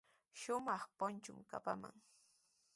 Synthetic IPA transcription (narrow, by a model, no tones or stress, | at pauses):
ʃʊmɑχpʊnt͡ʃʊmka̰pama̰ŋ